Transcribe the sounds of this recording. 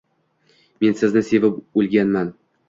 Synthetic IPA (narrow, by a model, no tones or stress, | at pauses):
me̞nsɪznɪse̞vɪpɵlɡʲanman